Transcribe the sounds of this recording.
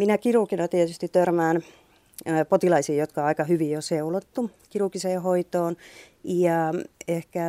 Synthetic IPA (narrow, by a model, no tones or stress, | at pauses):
minækiruˑkinɑt̪iet̪yst̪itt̪ørmæːnː | pot̪ilɑisiːjot̪kɑɑikɑhyʋijoseulot̪ːukiruˑkiseːhoit̪oːn | jɑehkæ